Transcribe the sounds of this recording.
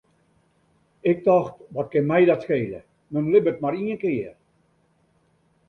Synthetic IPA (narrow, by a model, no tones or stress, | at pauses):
ɪk̚dɔxtʋɔt̚kɪnmɛjdɔtskeːlə̰ | mənmlɪbət̚maɾiənkɪːər